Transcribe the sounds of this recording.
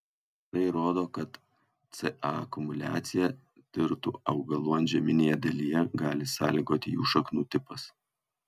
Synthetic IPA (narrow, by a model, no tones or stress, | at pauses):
ɐɪɾoːd̪oːkɐt̪ | t̪sɛʔɑɐkʊmʊlʲæ̰ːt̪sʲɪjɛ | t̪ʲɪɾt̪ṵːɐʊɡɐlˠuɔnʒʲɛmʲɪnʲeːjɛd̪ɐlʲijɛɡɑːlʲɪsɑːlʲɪɡoːt̪ʲɪːʊʃɐknuːt̪ʲɪpɐs